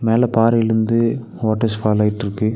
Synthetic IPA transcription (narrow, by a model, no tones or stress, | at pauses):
meːlɛpaːɾɪɽɯnd̪ɯ | oːʈːɐsfaːlɐjɪʈːɪɾɯkːɯ